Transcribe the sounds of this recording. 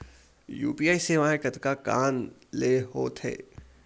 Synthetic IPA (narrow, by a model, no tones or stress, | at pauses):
jṵːpiːaːiseʋãːɦẽkɐt̪kaka̰ːnleːɦoːt̪ʰɦḛː